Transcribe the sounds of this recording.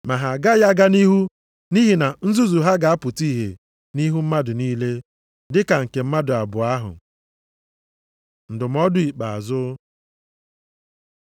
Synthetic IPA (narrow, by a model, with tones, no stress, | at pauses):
ma˨ɦa˨ɡa˦ja˦ɡa˦ni˦ɦu˦ | ni˦ɦi˨na˨n̩˦zu˦zu˨ɦa˦ɡa˨a˦pʊ˨ti˦˨ɦḛ˨ | ni˦ɦu˦m̩˦ma˦dʊ˨niː˦le˦ | dɪ˦ka˨ŋ̩˨ke˨m̩˦ma˦dʊ˨a˨bʊ˨a˦ɦʊ̰˨ | n̩˨dʊ˨m̩˦ɔ˦dʊ˨i˨k͡pa˨a̰˨zʊ˦